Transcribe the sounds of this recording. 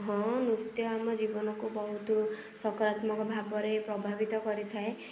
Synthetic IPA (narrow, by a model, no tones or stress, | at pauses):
ɦɔ̃nut̪jɔamɔd͡ʒibɔnɔkubɔɦut̪u | sɔkɔɾat̪mɔkɔbʱabɔɾepɾɔbʱabit̪ɔkɔɾit̪ʰae